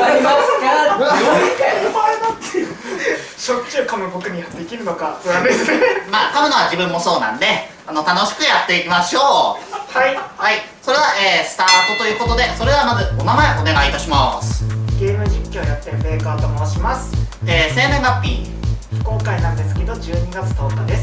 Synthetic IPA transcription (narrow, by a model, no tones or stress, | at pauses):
a | ɕott͡ɕːiːkamɯbo̞kɯ̟ɲ̟iad̪e̞kʲiɾɯ̟no̞kaoɾand̪esɨneaːkamɯ̟noβaʑibɯ̟̃mːo̞so̞ːnã̰nd̪e̞ | ano̞t̪ano̞ɕi̥kɯ̟jat̪ːe̞ikʲimaɕo̞ːhaihai | so̞ɾe̞βaʔeːsɨ̥t̪aːt̪o̞t̪o̞jɯ̟ːko̞t̪o̞d̪e̞so̞ɾe̞βamazɨo̞namaeʔo̞ne̞ɡait̪aɕimasɨ̥ɡe̞ːmɯ̟ʑikʲːo̞ːjat̪ːẽmbeːkaːt̪omoɕimasɨ̥eːse̞ːmẽmːapʲːḭ̥ː | ko̞ːkainãnd̪e̞sɨ̥ke̞d̪o̞d͡ʑɨːɲ̟iɡat͡sɨ̥t̪o̞ːkad̪e̞s